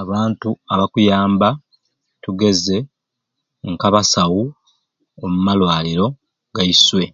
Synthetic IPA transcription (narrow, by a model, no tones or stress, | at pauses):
aβaːntuaβakujaːmba | tuɡe̞ze̞ | ŋkaβasawu | omumalwaːliɾo̞ | ɡaiswe̞